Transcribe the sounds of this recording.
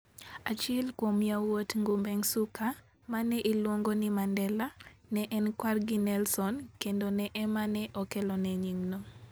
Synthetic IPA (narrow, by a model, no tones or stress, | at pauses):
at͡ʃɛlkwomjawotŋɡʊmbɛŋsukʰa | manɛʔilwoŋɡonimandɛlanɛʔɛnkwarɡinɛlsɔnkendonɛʔɛmanɛʔɔkɛlɔnɛɲiŋno